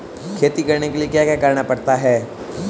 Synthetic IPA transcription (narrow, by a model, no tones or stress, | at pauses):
kʰeːt̪ikɐɾnekeliekjaːkjakəɾnapɐɽt̪aɦɛː